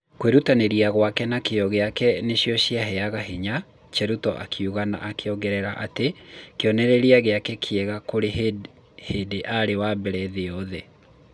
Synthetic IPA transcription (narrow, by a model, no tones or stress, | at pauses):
kweɾutaneɾiaɣwakɛnakeɔɣeakɛneɕiɔɕiaɦɛaɣaɦeɲa | t͡ʃɛɾutɔ̰ʔa̰kʰiuɣana̰ʔakʰeɔɡɛɾɛɾaʔa̰tekeɔnɛɾeɾiaɣeakɛkʰjɛɣakoɾe | hedeʔaɾewabɛɾɛðeɔðɛ